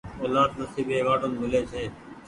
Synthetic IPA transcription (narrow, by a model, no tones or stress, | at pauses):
oːlaːd̪̚nəsiːbeːʋaːʈoːnmɪleːsʰeː